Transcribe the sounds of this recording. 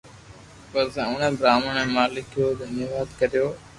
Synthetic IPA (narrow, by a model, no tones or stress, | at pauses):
pɐɾsãːʊnə̃bɾaːməɳemãːlɪkʰjoːd̪ʱənjəʋaːd̪kəɾijoː